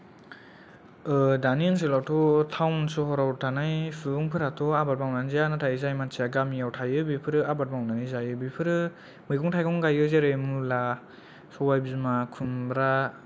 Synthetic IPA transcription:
ɯdaniɯns̬elawtʰɔtʰawnsɔɦɔɾawɾtʰanajfʰɯŋpʰɯɾatʰɔabat̚bmawnanzianatʰajɯzajmansʰiaɡamiawtʰajɯbipʰɯɾɯabat̚bawnanizajɯbipʰɯɾɯ | mɯjɡʰɔŋtʰajkʰɔŋɡajɯzeɾɯjmula | sɔbajbizmakʰunbɾa

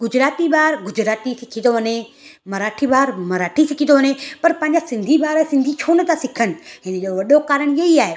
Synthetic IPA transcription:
ɡʊd͡ʑɾaːt̪iɓaːɾɡʊd͡ʑɾaːt̪isɪkʰĩd̪oʋɐne | mɐɾaːʈʰibaːɾmɐɾaːʈʰisɪkʰĩt̪d̪oʋɐnepɐɾpɐ̃ɦɪ̃ɲd͡ʑasɪ̃nd̪ʱiɓaːɾsɪ̃nd̪ʱit͡ʃʰoːnət̪ãsɪkʰənɪ̆ɦɪnəd͡ʑoʋɐɗokaːɾəɽ̃jɐiaːɦeː

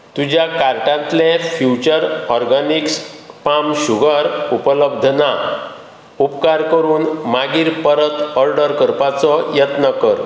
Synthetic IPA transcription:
t̪ud͡ʑjakaɾʈãnt̪lẽfjut͡ɕəɾɔɾɡanikspamɕuɡʱəɾupələb̚d̪ʱəna | upkaɾkəɾuːnmaɡiːɾpəɾət̪əɾɖəɾkəɾpat͡sɔjət̪nəkəɾ

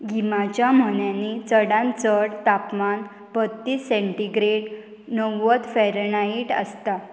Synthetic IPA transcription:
ɡimat͡ɕjam̤əɳjanit͡səɽãnt͡səɽt̪apman | pət̪ːiːsɛ̃ɳʈiɡɾeɽ | nəʋət̪fɛɾənaiʈə̰st̪a

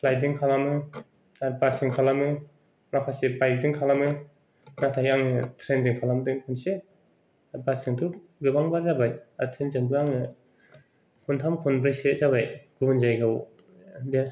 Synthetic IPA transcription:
pʰlajzɯŋkʰalamɯ | aɾbasiŋkʰalamɯ | makʰasebajzɯŋkʰalamɯ | natʰajaŋɯtʰɾenziŋkʰalamdɯŋkʰunse | basɯŋtʰu | ɡɯbaŋbaɾzabajatʰenzɯŋbɯaŋɯ | kʰuntʰamkʰunbɾɯjsezaβajɡubɯnzajɡaw | be

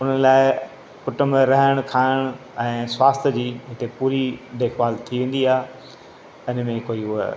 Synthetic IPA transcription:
ʊn̤əlaːɪ | kʊʈəmẽɾɐɦəɽ̃kʰaːɪɽ̃ | ɛ̃ːswaːst̪ʰəd͡ʑiːɦɪt̪epuːɾiɖeːxʋaːlt̪ʰiʋẽːnd̪iaːɦ | ɪnmẽkoːiʊɦə

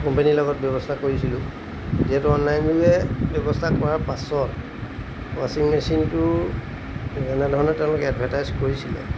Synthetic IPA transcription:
kɔmpenilɔɡɔt̚bjɔbɔstʰakoɹisilʊ̃ | ziatuɔnlajnluɛbjɔbɔstʰakɔɹaɹpasɔt | wasiŋmesintʊ | zanɛdʱɔɹɔnɛtɛʊ̃lʊkɛɛdbʱatajzkoɹisilɛ̰

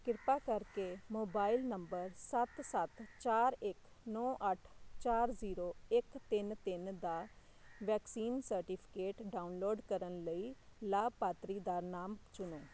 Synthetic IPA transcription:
kɪɾpaːkəɾkeːmoːbaːilnəmbəɾsət̪sət̪t͡ʃaːɾɪk | nɔ̃ːʔəʈʰt͡ʃaːɾziːɾoːɪkt̪ɪnt̪ɪnd̪aː | ʋɛːksiːnsəɾʈiːpʰɪ̥keːʈɖaːunloːɖkəɾənləiːlaːb̚paːt̪ɾiːd̪aːnaːmt͡ʃʊnoː

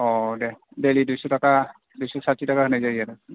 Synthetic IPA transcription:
ɔdɛbelidujsɔtaka | dujsɔsatitakahɯnajzajata

